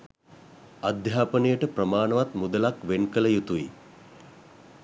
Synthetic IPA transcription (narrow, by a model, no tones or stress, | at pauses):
ad̪ʱjaːpənijəʈəprəmaːnəʋat̪mud̪əlakʋenkələjut̪uḭ